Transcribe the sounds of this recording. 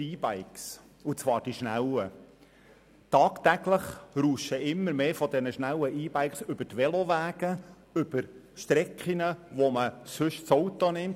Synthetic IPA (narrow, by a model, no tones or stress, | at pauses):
iːbæɪks | ut͡sʋɑːɾd̥iʃnælə | tɑːkt̪æɡləχɾuːʃəʔɪmːəɾmeːfɔd̪ɛnəʃnæwəʔiːb̥æɪksʏb̥ətʋɛlɔʋæːɡ̥ə | ʏb̥əɾ | ʃt̪ɾɛkχinəʋoməsʏʃt͡sowt̪onɪmt